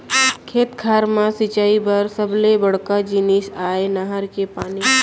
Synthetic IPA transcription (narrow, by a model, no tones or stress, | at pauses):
kʰeːt̪kʰaːɾmãsit͡ʃaːibəɾsəblebəɽkad͡ʒiniʃaːenaɦəɾkepaːni